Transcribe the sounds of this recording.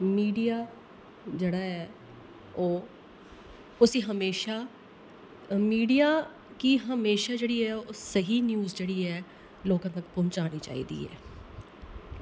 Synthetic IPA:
miːɖijaː | d͡ʒeːɽaːɛː | oː | ʊsiːɦəmeːʃaː | miːɖijaː | kiɦəmeːʃaːd͡ʒeːɽiːɛːoːsəɦiːnjuːzd͡ʒeːɽiːɛː | loːkãːt̪əkpʊnt͡ʃaːniːt͡ʃa̰ːḭːd̪ḭːɛ̰ː

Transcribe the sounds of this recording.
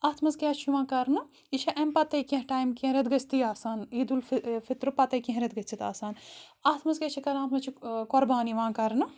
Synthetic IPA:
aːt̪ʰmɐzkʲaːt͡ʃʰiʋãːkɐɾnɨ | iʃʰɐʔɐmpɐt̪ɐjkĩɦʈaːjmkĩɾɐd̪ɡɐst̪iaːsaːniːd̪ulfʰit̪ɾɨpɐt̪ɐjkĩɦɾɐd̪̚ɡɐt͡ʃit̪aːsaːnaːt̪ʰmɐzkɐt͡ʃʰikɐɾnaːt̪ʰmɐt͡ʃʰikoɾbaːniʋãːkɐɾnɨ

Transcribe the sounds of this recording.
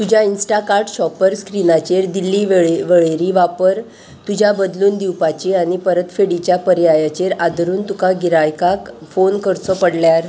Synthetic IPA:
t̪ud͡ʑʱjainsʈakaɾʈɕɔpəɾskɾinat͡ɕeɾd̪ilːiːʋeɭʋeɭeɾiʋapəɾ | t̪ud͡ʑʱjabəd̪luːnd̪iwpat͡ɕiaɽ̃ipəɾət̪feɽit͡ɕjapəɾjajat͡ɕeɾad̪ɾuːnt̪ukaɡiɾajkakfonkəɾt͡sɔpəɽljaɾ

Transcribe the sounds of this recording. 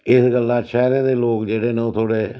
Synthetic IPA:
ɪsɡəlːãːʃʰɛːɾẽːd̪eːloːkd͡ʒeːɽeːneot̪ʰoːɽeː

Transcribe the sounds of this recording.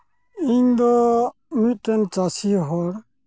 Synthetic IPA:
iɲd̪ɔmit̪̚ˀt̪ɛnt͡ʃasiɦɔɽ

